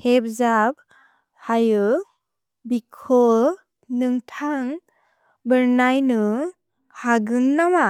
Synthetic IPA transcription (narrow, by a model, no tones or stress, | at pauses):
heb̚zab̚ | hajɯ | bikʰɯ | nɯŋtʰaŋ | bɯɾnajnɯ | haɡɯŋnama